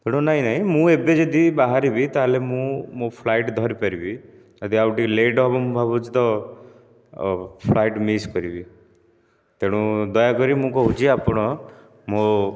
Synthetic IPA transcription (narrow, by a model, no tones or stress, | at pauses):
t̪eɽ̃ũnaɦĩnaɦĩmũebed͡ʒɔd̪ibaɦaɾibit̪aɦelemũmũpʰlajʈd̪ʱɔɾipaɾibi | ɔd̪iawʈileɖɦɔbɔmũbʱabud͡ʒt̪ɔ | pʰlajʈmiskɔɾibi | t̪eɽ̃ũd̪ɔjakɔɾimũkɔɦut͡ʃiapɔɽ̃ɔ | mo